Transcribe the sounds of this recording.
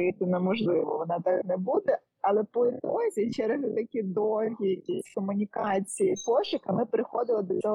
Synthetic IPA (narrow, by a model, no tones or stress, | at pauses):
it̪ɪnɐmɔʒlˠɪʋɔʋɔnɑt̪ɑknɛbud̪ɛ | ɐlˠɛpɔɪt̪ɔzʲit͡ʃɛɾeɦʊt̪ɐkʲid̪ɔlʲɦʲijɐkʲisʲkɔmʊnʲikɑt͡sʲijipɔʃɪkɐmɪpɾɪxɔd̪ɪlˠɔd̪ɔt͡sʲɔɦ